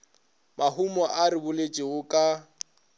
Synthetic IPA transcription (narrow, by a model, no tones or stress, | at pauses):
maɦumɔʔaɾɪbʊlet͡ʃʼɪɣʊkʼa